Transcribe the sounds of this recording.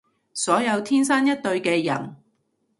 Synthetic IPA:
sɔː˨˥jɐ˧wt̪ʰiː˥nsaː˥njɐ˥t̚t̪ɵ˧ɥkɛː˧jɐ̰˨˩n

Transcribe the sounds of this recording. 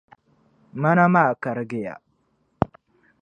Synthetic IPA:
ma˦na˦ma˦˨ka˨ɾɡɪ˦˨ja̰˨

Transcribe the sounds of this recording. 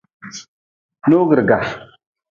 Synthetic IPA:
no˦ɡə˨ɾɡa˨

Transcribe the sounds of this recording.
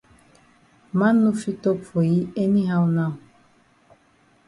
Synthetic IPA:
mã˦nːu˦fi˦tɔ˦pʰo˨ji˦e˦nĩ˦ɦa˦wu˦nã˦˨

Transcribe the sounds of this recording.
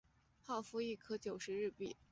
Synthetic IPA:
xɑ˥˩ʊfu˥˧i˥˩kʰɤ˥t͡ɕjo˨˩ʊʂɻ̩˧˥ɻɻ̩˥˧pḭ˨˩˦

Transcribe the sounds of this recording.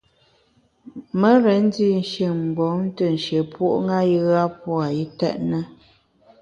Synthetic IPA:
mə˦ɾɛ˨˦n̩˦di˦˨n˨ʃi˨m̩˨bɔ˨˦n˦tə˦˨n̩˨ʃe˨pwo˦ʔŋa˦ji˦ɣa˦pɔ˦a˨i˦tɛ̰˦ʔnə˦

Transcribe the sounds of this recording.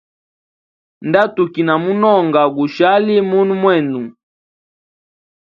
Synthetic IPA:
nda˦tu˨ki˨na˨mu˦nɔ˦˨ŋɡa˨ɡu˨ʃa˦li˦mu˦nu˦mwɛ˦˨nu˨

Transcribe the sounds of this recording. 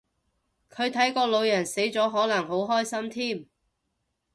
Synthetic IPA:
kʰɵ˨˧ɥt̪ʰɐ˨˥jkɔː˧lo˨˧wjɐ˨˩nse˨˥jt͡sɔː˨˥ɦɔː˨˥nɐ˨˩ŋɦo˨˥wɦɔː˥jsɐ˥mt̪ʰiː˥m

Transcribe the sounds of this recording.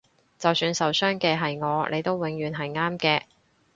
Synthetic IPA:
t͡sɐ˨wsyː˨˧nsɐ˨wsœː˥ŋkɛː˧ɦɐ˨jŋɔː˨˧nʔe˨˧jt̪o˥wwɪ˨˥ŋɥyː˨nɦɐ˨jŋaː˥mkɛː˧

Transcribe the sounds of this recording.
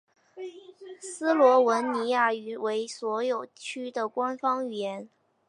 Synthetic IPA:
sɹ̩˥lwɔ˧˥wə˧˥nni˧˥ja˥˩y˧˥we˧˥ɪswɔ˧˥jo˨˩ʊt͡ɕʰy˥d̪ə˨kwa˥nfɑ˥ŋy˨˩jɛ˧˥n

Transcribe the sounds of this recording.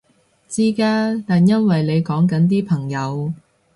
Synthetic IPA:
t͡siː˥kaː˥t̪aː˨njɐ˥nwɐ˨jle˨˧jkɔː˨˥ŋkɐ˨˥nt̪̬iː˥pʰɐ˨˩ŋjɐ˨˧w

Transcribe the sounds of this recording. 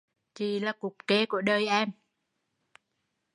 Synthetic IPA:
t͡ɕi˧˩laː˨˩kʊ˨˩k͡p̚ke˨˦ku˧˩əɗəː˧jʔɛ˧m

